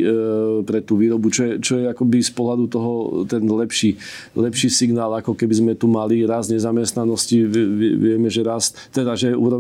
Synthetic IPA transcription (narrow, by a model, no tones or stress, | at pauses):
pɾɛt̪uːʋiːɾɔbut͡ʃɔjɛt͡ʃɔjɛakɔbispɔɦlad̪ut̪ɔɦɔt̪ɛnlɛpʃi | lɛpʃiːsiɡnaːlakɔkɛbizmɛt̪umaliɾazɲɛzamɛst̪nanɔsciɛʋɪɛʋɪɛmɛʒɛɾas | t̪ːɛd̪aʒɛṵːɾɔ